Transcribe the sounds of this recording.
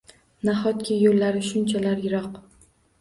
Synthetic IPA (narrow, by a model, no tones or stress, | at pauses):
naχɒt̪kʲʰɪjolːaɾɪʃʊnt͡ʃʰalaɾjɪɾɒq